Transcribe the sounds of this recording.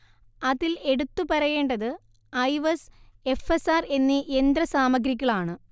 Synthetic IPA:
ɐðile̞ɽut̪ːupɐɾɐje̞ːɳɖɐðɨ | ɐjʋɐse̞fesaːre̞nːiʔe̞nd̪ɾɐsaːmɐɡɾik̬ʲːɐɭaːɳɨ

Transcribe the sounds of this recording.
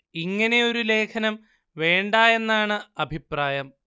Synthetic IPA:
iŋːɐne̞o̞ɾule̞ːkʰɐnɐm | ʋe̞ːɳɖaːje̞nːaːɳɨɐbʱipraːjɐm

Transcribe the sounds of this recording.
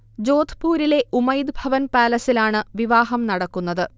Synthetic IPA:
d͡ʑo̞ːd̪ʰʱpuːɾile̞ʔumɐjd̪bʱɐʋɐnpaːlɐsilaːɳɨʋiʋaːɦɐmnɐɽɐkːun̪ːɐðɨ

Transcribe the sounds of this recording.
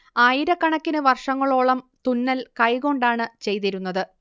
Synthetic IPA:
aːjiɾɐkːɐɳɐkʲːinɨʋɐrʂɐŋːɐɭo̞ːɭɐmt̪unːɐlkɐjɣo̞ɳɖaːɳɨt͡ɕe̞jt̪iɾunːɐðɨ

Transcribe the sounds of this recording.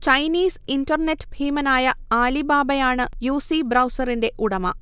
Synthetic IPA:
t͡ɕɐjniːsindɐrne̞tːɨbʱiːmɐnaːjɐaːlibaːbɐjaːɳɨjuːsibrɐwsɐrinde̞ʔuɽɐmɐ̰

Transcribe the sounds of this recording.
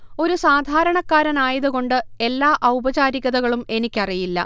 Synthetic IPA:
o̞ɾusaːd̪ʱaːɾɐɳɐkːaːɾɐnaːjɐðuɣo̞ɳɖɨe̞lːaːʔɐwbɐt͡ɕaːɾiɣɐðɐɣɐɭume̞nikʲːɐrijilːɐ̰

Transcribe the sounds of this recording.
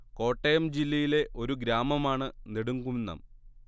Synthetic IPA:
ko̞ːʈːejɐmd͡ʑilːɐjile̞ʔo̞ɾuɡɾaːmɐmaːɳɨneɽuŋɡumnːɐ̰m

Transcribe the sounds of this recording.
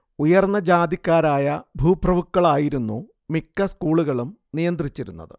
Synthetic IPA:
ujɐrnːɐd͡ʑaːd̪ikʲːaːɾaːjɐbʱuːbrɐʋukːɐɭaːjiɾunːu | mikːɐskuːɭuɣɐɭum | nijɐnd̪rit͡ɕːiɾunːɐ̰ðɨ̰

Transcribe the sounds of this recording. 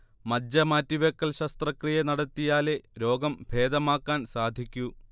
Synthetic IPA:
mɐdjɐmaːtːiʋɐkːɐlɕɐst̪rɐkrijɐnɐɽɐt̪ːijaːle̞ɾo̞ːɡɐmbʱe̞ːd̪ɐmaːkːaːnsaːd̪ʱikʲːu

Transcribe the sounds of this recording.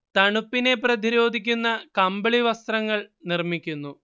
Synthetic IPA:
t̪ɐɳupːine̞prɐd̪iɾo̞ːd̪ʱikʲːunːɐkɐmbɐɭiʋɐst̪rɐŋːɐɭnirmikʲːunːu

